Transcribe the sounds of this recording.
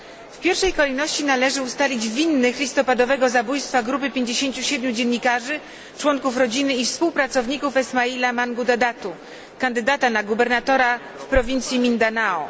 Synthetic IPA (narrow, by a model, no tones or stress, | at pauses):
fpʲjɛɾfʂɛjkɔlɛjnɔɕt͡ɕinalɛʐɘust̪alʲid͡ʑvʲinːɘxlʲist̪ɔpad̪ɔvɛɡɔzabujst̪faɡɾupɘpʲjeɲd͡ʑeɕeɲt͡ɕuɕɛd̪mʲud͡ʑenɲːikaʐɘ | t͡ʂwɔŋkufɾɔd͡ʑinɘifspuwpɾat̪sɔvɲikufɛsmailamaŋɡud̪ad̪at̪u | kand̪ɘd̪at̪anaɡubɛɾnat̪ɔɾa | fpɾɔvʲint̪sʲjimʲind̪anaɔ